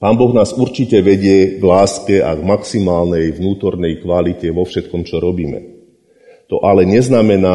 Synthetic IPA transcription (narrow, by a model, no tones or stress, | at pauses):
paːnbɔɣnaːzuɾt͡ʃicɛʋɛɟɪɛɡlaːskɛa̰ɡmaksimaːlnɛjʋnuːt̪ɔɾnɛjkʋalicɛʋɔfʃɛt̪̚kɔmt͡ʃɔɾɔbiːmɛ̰ | t̪ɔʔalɛɲɛznamɛnaː